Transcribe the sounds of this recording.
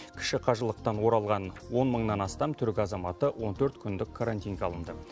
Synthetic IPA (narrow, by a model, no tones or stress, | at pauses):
kʲʰɪ̥ʃɪqʰɑʒəlˠəq̚t̪ɑnwo̞ɾɑlˠʁɑnwo̞nməɴnɑnɑst̪ɑmt̪ʰʏɾkʲɪɑzɑmɑt̪əwo̞nt̪ʰɵɾt̪kʲʰʏnd̪ɪkʰːaɾant̪ʲijnɡʲeɑlˠəmd̪ə